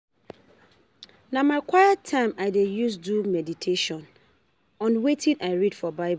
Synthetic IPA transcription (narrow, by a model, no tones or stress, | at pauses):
nãmãɪkʰwajatʰãɪ̃maɪdejus̬dumɛditʰeʃɔ̃n | ɔ̃nwetʰĩnaɪɹidfɔbaɪb